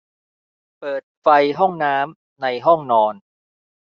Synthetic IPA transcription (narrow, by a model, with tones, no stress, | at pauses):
pɤː˨˩t̪̚fa˧jɦɔ˥˩ŋnaː˦˥m | na˧jɦɔ˥˩ŋnɔː˧n